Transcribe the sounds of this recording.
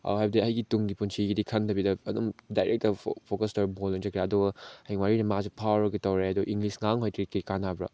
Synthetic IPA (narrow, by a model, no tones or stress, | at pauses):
a̰ɦajbdiɐɦɐjɡituŋɡipunsʰiɡidikʰɐndɐbidɐɐdumdajɾʔek̚tɐpʰokɐstaɾbolent͡ʃɐkʰɾeɐdɔɡheŋwaɾinɐmazipʰawɐɾɐɡitɐwɾeɐduʔiŋɡlisŋaŋɦojtʰɾikikanabɾɐ̰